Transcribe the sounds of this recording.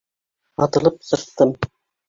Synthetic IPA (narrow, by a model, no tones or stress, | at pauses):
ɑt̪ɤ̆lˠɤp̚sɤ̆st̪ɤm